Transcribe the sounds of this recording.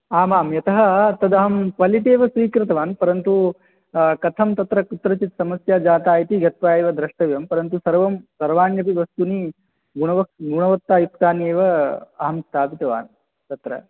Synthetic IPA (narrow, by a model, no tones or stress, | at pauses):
aːmaːmjɐt̪ɐɦɐt̪ɐd̪ɐɦɐmkʋɐliʈeːʋɐsʋiːkɾɨt̪ɐʋaːnpɐɾɐnt̪u | kɐt̪ʰɐmt̪ɐt̪ɾɐkut̪ːɾɐt͡ʃit̪sɐmɐsjaːd͡ʒaːt̪aːjit̪iɡɐt̪̚ʋaːeːʋɐd̪ɾɐʂʈɐʋjɐmpɐɾɐnt̪usɐɾʋɐmsɐɾʋaːnjɐp̬iʋɐst̪uni | ɡuɳɐʋɐkɡuɳɐʋɐt̪ːaːjip̚t̪aːneːʋɐɐɦɐmst̪ʰaːpit̪ɐʋa̰ːn | t̪ɐt̪ɾɐ̰